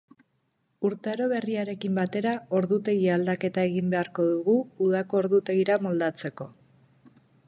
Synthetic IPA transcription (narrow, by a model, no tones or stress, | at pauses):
uɾt̪eɾo̞βe̞riaɾe̞kimbat̪e̞ɾao̞ɾðut̪e̞ɣiald̪ake̞t̪ae̞ɣimbe̞aɾko̞ðuɣuːðako̞ːɾðut̪e̞ɣiɾamo̞ld̪at͡se̞ko̞